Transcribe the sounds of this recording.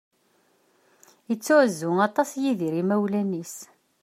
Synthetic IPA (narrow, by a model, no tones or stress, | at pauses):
ət͡sːʊʕzːʊŋɑt̪ˤɑsjiðiɾimæwlænis